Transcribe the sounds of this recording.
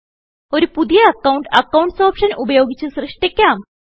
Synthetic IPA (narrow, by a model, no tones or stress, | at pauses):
oɾipud̪ʱjeɐkauɳʈɐkawuɳʈsɔːpʂɐnubəjoɡit͡ɕesɾɨʂʈekjam